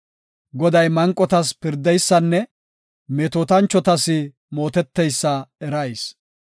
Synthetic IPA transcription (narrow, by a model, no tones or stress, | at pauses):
ɡɔd̪ɐjmɐŋkʼːɔt̪ɐspɪɾd̪ɛjsːɐnːɛ | meːt̪oːt̪ɐnt͡ʃːɔt̪ɐsɪ | mo̞ːt̪ɛt̪ːɛjsːɐɛɾɐjs